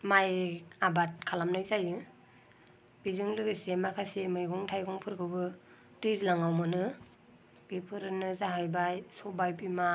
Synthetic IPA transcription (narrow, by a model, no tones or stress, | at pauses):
majabat̚kʰalamnajzaj | bizɯŋlɯɡɯsemakʰasemɯjɡɔŋtʰajɡɔŋpʰɯɾkʰɯbɯ | dɯzlaŋawmɯnɯ | b̥ipʰɯɾɯnɯzaɦajbajsɔbajpima